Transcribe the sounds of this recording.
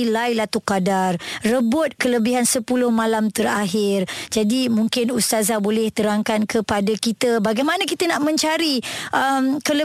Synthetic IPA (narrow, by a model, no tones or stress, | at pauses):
ilajlat̪ukadarːəbʊt̪̚kələbiɦansəpulʊhmãlamt̪əɾaɦɪrd͡ʒadimuŋkɪnust̪azabolɛht̪əɾaŋkankəpadakit̪əbaɡajmanakit̪ənaʔmə̃ɲt͡ʃaɾiʔəmkələ